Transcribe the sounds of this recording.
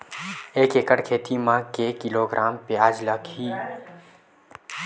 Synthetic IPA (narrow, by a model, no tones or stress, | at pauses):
eːkeːkəɽkʰeːt̪imãkekɪloɡɾʔaːmpeaːd͡ʒləkɦiː